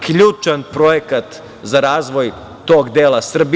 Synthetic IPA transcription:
kʎuːt͡ʃanpɾojekat̪ | zaɾaːzʋo̞j | t̪o̞ːɡd̪eːlˠasr̩bi

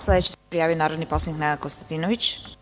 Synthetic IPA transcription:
slˠɛd̪ɛt͡ʃi̥spɾijavionaɾɔd̪nipɔsaniknɛɡ̪akɔst̪at̪inɔvit͡ʃ

